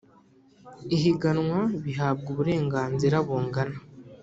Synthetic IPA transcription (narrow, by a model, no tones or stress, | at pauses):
iɦiɡanŋwaβiɦaːb̚ɡuβuɾe̞ːŋɡaːnziɾaβoːŋɡana